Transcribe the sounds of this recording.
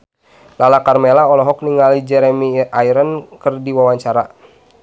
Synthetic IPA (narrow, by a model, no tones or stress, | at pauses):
lalakarmelaɔlɔɦɔk̚niŋalid͡ʒɛɾɛmiʔaiɾənkɨrdiwawaɲt͡ʃaɾa